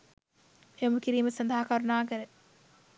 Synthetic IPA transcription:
jɐmukiɾiːməsɐnd̪ʱaɦakaɾunaːkəɾə

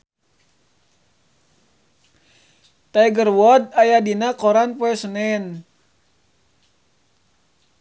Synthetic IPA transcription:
t̪ajɡərwɔdajadinakɔɾanpoɛsənɛn

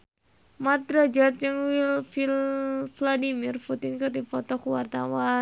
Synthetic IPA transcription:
mat̪̚rad͡ʒat̪̚d͡ʒɨŋwilfilfladimirput̪inkɨrdipɔt̪ɔkuwart̪a̰wa

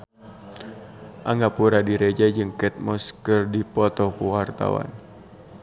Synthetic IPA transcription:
ʔaŋɡapuɾadiɾed͡ʒad͡ʒɨŋkɛt̪̚mɔskərdipɔt̪ɔkuwart̪a̰wa̰n

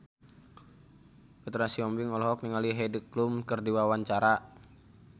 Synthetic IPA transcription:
kət̪ɾasiɔmbiŋɔlɔɦɔk̚niŋaliɦɛdəklumkɨrdiwawaɲt͡ʃaɾa

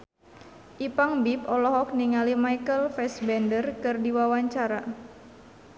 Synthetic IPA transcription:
ʔipaŋbipɔlɔɦɔk̚niŋalimaikəlfɛsbɛndərkɨrdiwawaɲt͡ʃaɾa

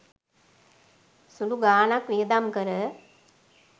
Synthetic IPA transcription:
suluɡaːnakʋid̪amkɐɾə

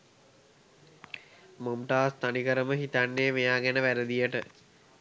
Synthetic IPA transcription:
momʈaːst̪anikəɾəməɦit̪anːeːmejaːɡænəʋæɾəd̪ijəʈə

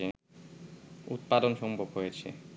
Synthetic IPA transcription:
e | ut̪̚pad̪onʃɔmbʱobɦojet͡ɕʰḛ

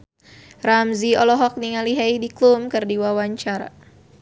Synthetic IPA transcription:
ramziɔlɔɦɔk̚niŋaliɦaidiklumkɨrdiwawaɲt͡ʃaɾa̰

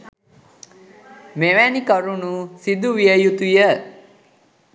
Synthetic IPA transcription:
meʋænikəɾunusid̪uʋijəjut̪ujə

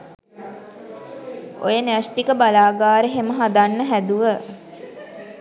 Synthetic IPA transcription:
o̰jənsʈikəbalaːɡaːɾəɦeməɦad̪anːəɦæd̪uʋə

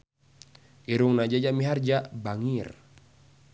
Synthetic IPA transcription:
iɾuŋnad͡ʒad͡ʒamiɦard͡ʒabaŋir

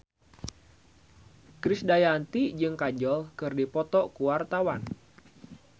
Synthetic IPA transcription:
kɾɪsdajant̪id͡ʒɨŋkad͡ʒɔlkɨrdipɔt̪ɔkuwart̪awan

